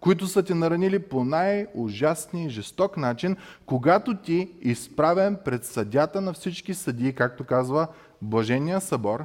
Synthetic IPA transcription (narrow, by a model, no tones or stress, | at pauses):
koit̪̬ʊsət̪ʲɛnɐɾɐniliponajʊʒasniiʒɛst̪ɔknat͡ʃinkoɡat̪ot̪ʲiːspɾavʲɛmpɾɛt̪sɐd̪ʲat̪ənɐfsit͡ʃkisɐd̪ʲiːkak̚t̪okazvə | blˠɐʒɛnijəsɐbɔɾ